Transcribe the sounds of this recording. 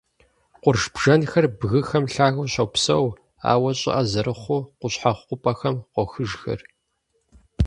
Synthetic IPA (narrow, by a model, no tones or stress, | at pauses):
qʷʊrʒb̥ʒ̥ɐnxɐrbɣɨxɐmɬaːɣɐwɕɐwpsɐw | a̰ːwɐɕʼɪ̰ʔɐzɐɾɨχʷʊqʷʊɕħaχqʷʊpʼɐxɐmqʷɔxɨʒxɐ̰r